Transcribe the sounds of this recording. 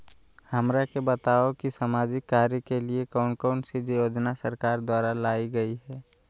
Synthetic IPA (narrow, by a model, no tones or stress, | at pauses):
hɐmɾakebət̪aːokisamaːd͡ʒɪkːaːɾjəkeliekaʊnkaːnsed͡ʒjoːd͡ʒnasɐɾkaːɾd̪waːɾalaːiɡɐiɦɛː